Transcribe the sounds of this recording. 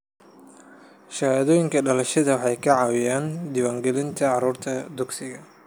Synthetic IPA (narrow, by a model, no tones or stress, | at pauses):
ʃɐðɔːjɪŋkʰɐɖɐlɐʃɐðɐwɑħɑjkʰɐʕɑwɪjaːnd̪ɪwaːŋɡɛlɪnt̪ʰɐʕɑɾuːrt̪ʰɐd̪ʊɡsɪɣɐ